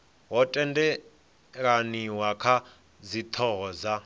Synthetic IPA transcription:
ɦɔtʼɛndɛ | ɺaniwakʰa | zit̪ʰɔza

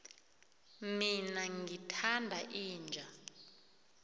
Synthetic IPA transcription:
minaŋʱitʰandʱaʔiːnd͡ʒʱa

